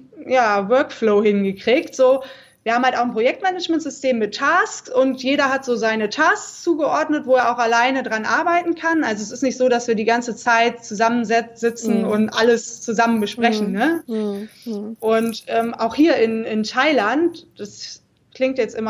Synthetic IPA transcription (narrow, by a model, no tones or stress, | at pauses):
jaːvœɐkfloːhɪŋɡəkʁ̥iːktz̥oː | viɐhaːm̩haltaʊxnpʁ̥ojɛk̚tmɛnəd͡ʒmɛntz̥ʏstʰeːmːɪtʰːaːskʊntjeːɾɐɦatz̥oːzaɪnətʰaːskt͡suːɡəʔɔɐdnətvoːeːɐʔaʊxalaɪnədʁanʔaɐbaɪtn̩kʰanʔalzoɛs̬ɪstnɪçtz̥oːɾasv̥iːɐdiːɡant͡sət͡saɪtt͡suzamənzɛz̥ɪt͡sn̩ʊntʔaləst͡suzamənbəʃpʁ̥ɛçn̩nə | ʔʊntʔɛːmʔaʊxhiːɐʔɪnɪntʰaɪlantd̥as | kl̥ɪŋk̚tjɛt͡stʔɪmɐ